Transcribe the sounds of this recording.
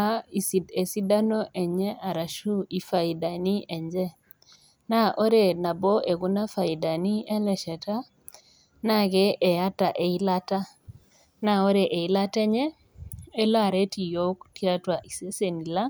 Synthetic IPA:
a˦i˨si˨de˨si˦da˦no˦ʔɛ˨ɲɛ˦ʔa˨ɾa˨ʃu˦i˨fa˨i˨da˨ni˦ʔɛ˨ɲd͡ʒɛ˦ | na˦ʔo˦ɾe˦˨na˨bɔ˦ʔe˨ku˦na˦fa˨i˨da˨ni˦ɛ˦lɛ˨ʃɛ˨ta˦ | na˦ɡɛ˦ʔɛ˨a˦ta˨ʔe˨i˦la˦ta˦ | na˨o˦ɾe˨ʔe˨i˨˦la˦tɛ˦ɲɛ˦ | ɛ˦la˦˨ɾe˦ti˨jo˦kti˦a˦twa˨ʔi˨se˦se˨ni˨la˦

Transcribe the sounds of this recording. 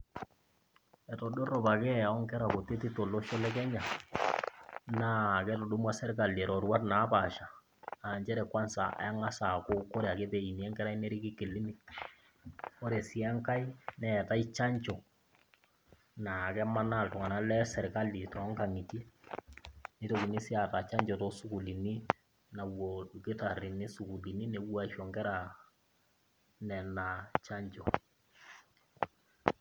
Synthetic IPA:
ɛ˨tɔ˨do˦ro˨ba˨kɛ˦a˨ɔ˦ŋkɛ˦ɾa˨ko˨te˦ti˦to˨lo˦ʃo˦lɛ˦kɛ˦ɲa˨ | na˦˨kɛ˦to˨do˦mwa˦sɛ˦ɾka˨li˨ɛ˨ɾɔ˨ɾwa˦tna˨˦ba˨ʃa˨ | a˨ɲt͡ʃɛ˦ɾɛ˨kwa˦nsa̰˨a̰˨ja˦ŋa˦sa˨ko˦ko˦ɾe˨a˨ke˦te˨i˨ni˨ɛ˦ŋkɛ˦ɾa˦i˦nɛ˦ɾi˦ki˦kɪ˨li˦mi˨t | o˦ɾe˨si˨a˦ŋka˦i˦nɛ˨ta˦i˦t͡ʃa˦ɲt͡ʃo˨ | na˨kɛ˦ma˦na˦˨ltʊ˨ŋa˨na˦lɛ˦sɛ˨ɾka˦li˨tɔ˨˦ŋka˨ŋi˨ti˦ | ni˦to˨ki˨ni˦si˦a˨ta˨t͡ʃa˦ɲd͡ʒɔ˨to˦su˦ku˨li˨ni˦ | na˨wo˨ke˦ta˨ri˨ne˦su˨ku˨li˨ni˦ne˨wa˦ʃɔ˨ŋkɛ˦ɾa˨ | nɛ˨na˨t͡ʃa˦ɲt͡ʃɔ˨

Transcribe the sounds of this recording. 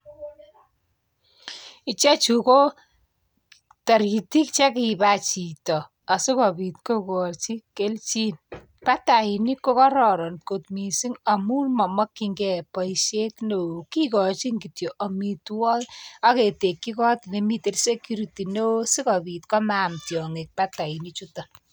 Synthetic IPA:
i˨t͡ʃɛ˦t͡ʃuko˦ | ta˨ɾi˨ti˦kt͡ʃɛ˦kiba˨t͡ʃi˨tɔ˨ | a˨su˦kɔ˨bi˨t̚ko˦kɔ˨ɾt͡ʃi˦ke˦lt͡ʃi˦n | pa˦ta˨hi˨ni˦kːo˦kɔ˦ɾɔ˨ɾɔ˨nko˨t̪mi˨si˦ŋa˨mu˦nmɔ˨mɔ˦kːiŋɡɛ˨pɔ˨iʃe˦kno˨ki˦kɔ˨t͡ʃi˦ŋɡitjo˨ʔɔ˨mitwɔ˦a˦ke˨te˨kːi˦kɔ˦tne˨mi˦ti˦rse˦kju˦ɾiti˨no˦si˦kɔ˨pi˨tkɔ˦ma˨mtjɔ˨ŋe˨k̚pa˦ta˨i˨nit͡ʃutɔ

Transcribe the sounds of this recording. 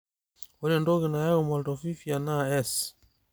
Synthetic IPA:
ɔ˦lɛ˨ndɔ˦ɣɛ˨na˨ja˦ɣɔ˨ma˨ltɔ˨fi˦fi˨a˨na˦ɛs

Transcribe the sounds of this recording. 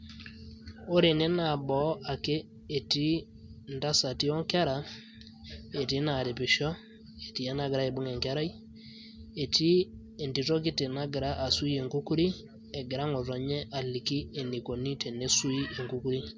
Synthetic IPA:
o˦ɾe˨nɛ˦na˨bɔ˨˦ʔa˨keː˦˨ | ti˦ | nda˦sa˨ti˦ɔ˦ŋka˦ɾa˨ | e˨ti˦na˨ɾi˨pɪ˨ʃɔ˦ | e˨ti˨ɛ˦na˨ɡɾa˦e˨bu˦ŋɛ˨ŋke˦ɾa˦j | e˨ti˦ | e˨nti˨to˦ki˦te˨na˦ɡɪ˨ɾa˦ʔa˨su˦i˦e˨ŋku˦ku˦ɾi˦ | ɛ˨ɡɪ˨ɾa˦ŋɔ˨tɔ˨ɲɛ˦ʔa˨li˨ki˦e˨ni˨ko˨ni˦te˨ne˦su˦i˦e˨ŋku˦ku˦ɾi˦

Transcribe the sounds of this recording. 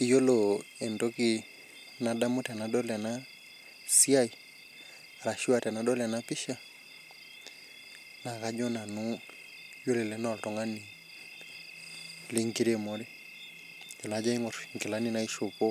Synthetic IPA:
ijɔ˦lɔɛ˨ndɔki | nadamu˦tɛ˨naɗɔ˦lɛna | si˦a˦i˨ | aɾa˨ʃi˦watɛ˨naɗɔ˦lɛnapi˦ʃa˦ | na˨kaɲɔ˦na˨no˦ | jɔ˦lɛ˨lɛnɔ˨ltɔŋɡa˦ni | le˦ŋki˦ɾemoɾe˦ | d͡ʒɔ˨nad͡ʒa˦i˦ŋɔ˨ɾŋke˨la˦ni˦na˦iʃo˨pɔ˦

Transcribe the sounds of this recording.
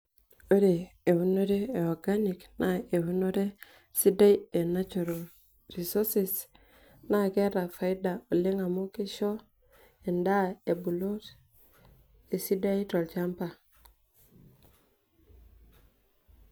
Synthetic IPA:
o˦ɾe˨ | e˨wu˦no˦ɾe˦eɔɡani˨knae˨wu˦no˦ɾe˦ | si˦da˦i˦e˨na˦t͡ʃo˨ɾa˨l | ri˨so˦si˨s | na˦ke˦ɾa˨fa˨i˦da˨o˨li˦ŋa˨mo˦ki˦ʃo˦ | e˨nda˦e˨bu˨lo˦t | e˨si˦da˦i˦to˨lt͡ʃa˦mpa˨

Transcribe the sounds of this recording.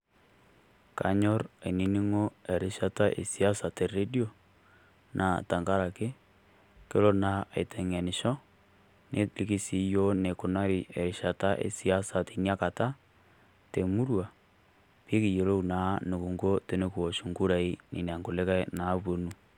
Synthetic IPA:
ka̰˨ɲɔ˦ɾḛ˨ni˦ni˦ŋo˦e˨ɾe˦ʃa˦ta˦ʔḛ˨si˦a˦sa˨te˨re˦di˦o˨ | nʔa˨ta˨ŋɡa˦ɾa˨ke˦ | ke˦lo˦na˨e˨tʰɛ˨ŋɛ˨nɪ˨ʃɔ˦ | ne˦li˦ki˦si˨jo˦ne˨ko˨na˦ɾi˨ʔe˨ɾi˨ʃa˨ta˦ʔḛ˨si˨a˦sa˨te˨na˦ka˨ta˦ | te˨mu˦ɾwa˨ | pi˦ki˨je˨lo˦u˨na˨˦ne˨ku˨ŋɡo˦te˦ne˦kwo˨ʃu˨ŋɡu˦ɾa˨i˦nḭ˨ne˨a˨ŋko˨le˦ka˦na˨˦βo˦nu˨

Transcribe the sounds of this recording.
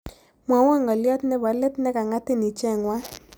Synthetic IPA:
mwa˨wa˦˨ŋɔ˨ljɔ˦tnɛ˦ba˨lɪ˦tnɛ˦ka˨ŋa˦tɪ˦˨ni˨t͡ʃɛ˦˨ŋwa˦

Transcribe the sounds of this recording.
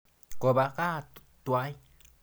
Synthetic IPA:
ko˨ba˧ka˦ | t̪wa˦j

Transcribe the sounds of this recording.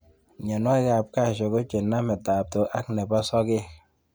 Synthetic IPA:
ɲa˨n˦a˦ka˨p̚ka˦˨ʃo˨ko˦t͡ʃe˨nːa˦mɛ˨ta˨p̚to˨ʔa˦knɛ˨ba˦sɔ˦ke˦

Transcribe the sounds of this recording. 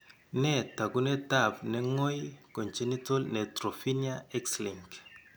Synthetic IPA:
nɛ˦˨ta˨ɡu˦nɛ˦ta˦˨pnɛ˦ŋɔ˦jko˨nt͡ʃe˦ni˦to˦lnɛ˨tɾo˨fi˦nia˦ɛ˦ksli˨ŋk

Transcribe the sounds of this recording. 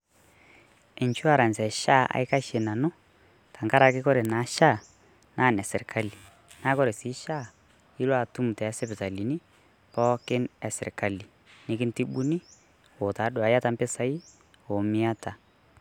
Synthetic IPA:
ɪ˨ɲt͡ʃu˦a˨ɾa˨nsɛ˨ʃa˦˨ʔa̰˨ɪ˦ka˦ʃe˨na˨nʊ˦ | ta˨ŋka˦ɾa˨kɪ˦kɔ˦ɾe˨na˨˦ʃa˦˨ | naː˦˨nɛ˨sɪ˨ɾkʰa˦li˨ | naː˦kɔ˦ɾe˨si˨˦ʃa˦˨ | i˦lwa˨tu˦m˨tɛ˨˦sɛ˦pɪ˨ta˨li˨ni˦ | pɔ˦kɪ˦nɛ˨sɪ˨ɾka˨li˨ | nɪ˦kɪ˦nti˦ɓu˦ni˦ | o˨ta˨˦dʊ˨a˨ja˦ta˨mpɪ˦sa˦i˦ | o˨mɪ˦a˦ta˨

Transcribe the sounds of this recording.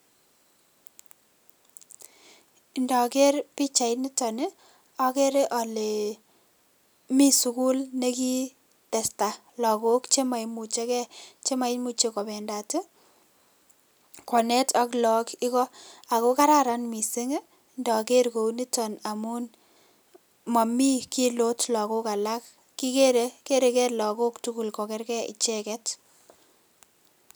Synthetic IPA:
ndɔ˨ke˦rpi˦t͡ʃa˨jni˦tɔ˨ne˦ | ɔ˦ke˦ɾe˦ʔɔ˨le˨ | mi˦su˨ku˦lne˦ki˦ | tɛ˨sta˨ | lɔ˨ko˦kt͡ʃe˦ma˨jmu˨t͡ʃe˦kɛ˦t͡ʃe˦ma˨jmu˨t͡ʃe˦kɔ˨bɛ˨nda˨te˦ | kɔ˨nɛ˦ta˦klɔ˨kɪ˦kɔ˦a˨ko˦ka˦ɾa˦ɾa˦nmi˨si˦ŋ˦ | ndɔ˨ke˦ɾko˨ni˦tɔ˨na˨mu˦n | ma˨mi˦ki˦lo˦tlɔ˨ko˦ka˨la˦k | kːi˦ke˦ɾe˦ke˦ɾe˨kɛ˦lɔ˨ko˦ktu˦ku˨lkɔ˨ke˦ɾkɛ˦ḭ˨t͡ʃe˦kɛ˦t

